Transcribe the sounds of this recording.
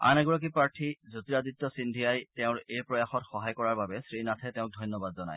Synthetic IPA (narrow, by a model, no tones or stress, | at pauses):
a̰naɡuɹɔk̬ipɹaɹtʰizutiɹaditːɔsindʱijajtɛʊ̃ɹejpɹɔjaxɔtxɔɦajkɔɹaɹbabɛsɹinatʰɛtɛʊ̃k̚dʱɔjnɔbadzɔna̰j